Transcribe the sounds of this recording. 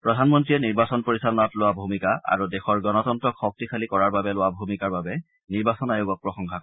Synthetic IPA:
pɹɔdʱanmɔntɹijɛniɹbasɔnpoɹisanatlʊwabʱumikaʔa̰ɹudɛxɔɹɡɔnɔtɔntɹɔkxɔk̚tixʰalikɔɹaɹbabɛlʊwabʱumikaɹbabɛ | niɹbasɔnajoɡɔk̚pɹɔxɔŋkʰak

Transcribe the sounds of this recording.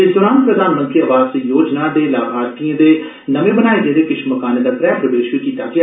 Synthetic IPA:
et̪ʊɾãːnpɾəd̪ʱaːnmə̃nt̪ɾiəʋaːzjoːd͡ʒnaːd̪eːlaːɡʱaːɾt̪ijə̃ːd̪eː | nəmẽːbənaːed̪ẽːd̪eːkɪʃməkaːneːd̪aːpɾɛːpɾəʋeːʃʋiːkiːt̪aːɡe

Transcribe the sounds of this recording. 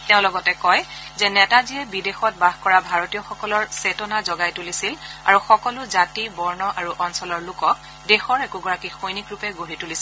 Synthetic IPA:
teʊ̃lɔɡɔtɛkɔjzɛnɛtaziɛbidexɔt̚baxkɔɹabʱaɹotijɔxɔkɔlɔɹsetɔnazɔɡajtulisila̰ɹuxɔkɔlʊzatibɔɹnɔʔaɹuʔɔnsɔlɔɹlʊkɔk̚ | dexɔɹɛkuɡɔɹakixojnikɹupɛɡoɦitulisil

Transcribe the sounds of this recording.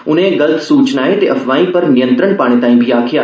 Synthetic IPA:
ʊnɦẽɡɐld̪suːt͡ʃnaːet̪eʔɐfʰʋaːĩpɐɾnɪjə̃nt̪ɾəɳpaːɽ̃ẽt̪ãːĩːbʱiaːkʰɪjaː

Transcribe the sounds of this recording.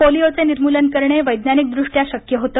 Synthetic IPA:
oliot͡seniɾmulənkəɾɳeʋəjd̪nanik̚d̪ɾuʂʈjaɕəkjəɦot̪ə

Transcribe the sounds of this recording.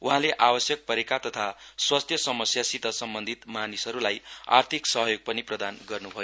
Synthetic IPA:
ʔuɦãleʔabʌsjʌk̚pʌɾekat̪ʌt̪ʰaswast̪ʰjʌsʌmʌsjasit̪ʌsʌmbʌnd̪ʱit̪manisʌɾulaja̰rt̪ʰiksʌɦʌjoɡ̚pʌniprʌd̪anɡʌrnubʱʌjo

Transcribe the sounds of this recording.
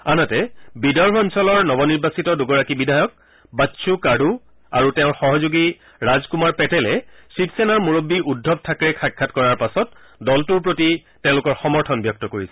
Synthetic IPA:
anatɛbidɔɹbɔnsɔlɔɹnɔbɔniɹbasitɔdʊɡɔɹakibidʱajɔk̚ | batsʰukaɖʱu | aɹutɛʊ̃ɹxɔɦɔzuɡi | ɹazkumaɹpɛtɛlɛsipsɛnaɹmuɹobːiʔudʱːɔb̚tʰakɹɛkʰakʰːatkɔɹaɹpasɔt̚ | dɔltuɹp̬ɹotitɛ̃ʊ̃lʊkɔɹxɔmɔɹtʰɔnbjɔk̚tɔkoɹisɛ

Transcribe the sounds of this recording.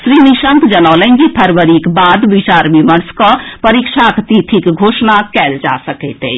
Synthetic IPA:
sɾiːniʃə̃ŋkd͡ʒənɔːləŋɡipʰəɾʋəɾikbaːd̪ʋit͡ʃaːɾmimənskopəɾiːkʃaːkt̪it̪ʰikɡʱoːʃnakɛːld͡ʒa̰səkeːt̪ḛ

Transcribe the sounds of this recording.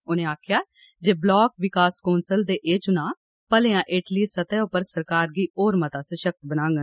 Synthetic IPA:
ʊnẽːaːkʰjaː | d͡ʒeːblɔːk̚ʋɪkaːskoːnsəld̪eːʔeːt͡ʃʊnãː | pəleːãːʔɪʈliːsət̪ɛːʊpəɾsəɾkaːɾɡiːʔoːɾmət̪aːsəʃək̚t̪bənãːŋɡə

